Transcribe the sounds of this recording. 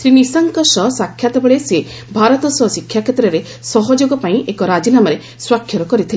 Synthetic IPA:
sɾinisaŋkɔsɔɦɔsakʰːjat̪ɔbeɭese | bʱaɾɔt̪ɔsɔɦɔsikʰːjakʰet̪ɾɔɾe | sɔɦɔd͡ʒoɡɔpaĩʔekɔɾad͡ʒinamɔɾe | swakʰːjɔɾɔkɔɾit̪ʰil

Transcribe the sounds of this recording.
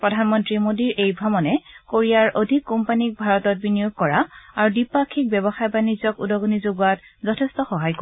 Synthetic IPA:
pɹɔdʱanmɔntɹimodiɹʔejbʱɹamɔnɛkoɹijaɹʔodʱikːɔmpanik̚bʱaɹɔtɔt̚binijoɡ̚kɔɹaaɹudipakʰik̚bɛbɔxajbanizɔkudɔɡonizoɡatzɔtʰɛstɔxɔɦajko

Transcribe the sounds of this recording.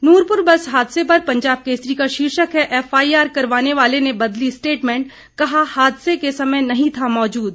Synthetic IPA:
nuːɾpʊɾbɐsɦaːd̪sepɐɾpɐ̃ɲd͡ʒaːb̚keːsɾikaʃiːɾʃəkɦɛʔɛːfaːiaːɾkɐɾʋaːneʋaːlenebɐd̪lisʈeːʈmɛ̃ːɳʈ | kɐɦahaːd̪sekesɐməjnɐɦĩt̪ʰamɔːd͡ʒuːd̪

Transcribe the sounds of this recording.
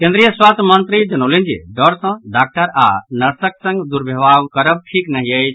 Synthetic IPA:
kẽnd̪ɾijəswat̪mənt̪ɾid͡ʒənolend͡ʒḭɖɔɾsə̃ɖak̚ʈəɾa̰nəɾsək̚sə̃ŋɡd̪uɾbʱebabkəɾəb̚ʈʰiknəɦiəjt͡ʃʰ

